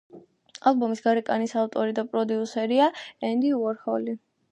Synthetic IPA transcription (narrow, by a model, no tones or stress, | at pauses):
alˠbɔmisɡaɾɛkʼanisaft̪ʼɔɾid̪apʼɾɔd̪iusɛɾiaɛnd̪iuɔɾhɔli